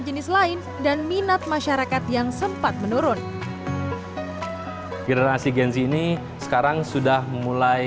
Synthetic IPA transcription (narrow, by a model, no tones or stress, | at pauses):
d͡ʒənɪslaɪn | danminat̪̚maʃaɾakat̪jaŋsəmpat̪̚mənoɾʊn | ɡɛnəɾasiɡɛnsiːni | sə̥kaɾaŋsudahmula